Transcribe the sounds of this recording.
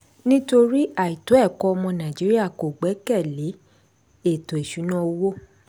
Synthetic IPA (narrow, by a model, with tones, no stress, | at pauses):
nĩ˦to˧ɾi˦a˨i˨to˨˦ɛ˦˨kɔ˦ɔ˧mɔ̃˧nã˨d͡ʒi˨˦ɾi˦a˦˨ko˨ɡ͡bɛ˨˦kɛ˦˨le˨˦ | e˦˨to˨e˨ʃu˨˦nã˦o˧wo˦